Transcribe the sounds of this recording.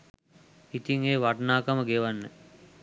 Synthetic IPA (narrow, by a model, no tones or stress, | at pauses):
it̪iŋeːʋaʈnaːkaməɡeʋanːe